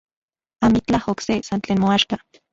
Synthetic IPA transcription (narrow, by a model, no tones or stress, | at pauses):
amit͡ɬahoksesant͡ɬeːnmoaʃka